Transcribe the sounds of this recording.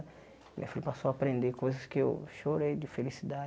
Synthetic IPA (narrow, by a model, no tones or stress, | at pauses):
mḭ̃ɲɐfilɐpasowapɾẽnd̪ekojzɐskɪḛwʃoɾejd͡ʒɪfelisid̪a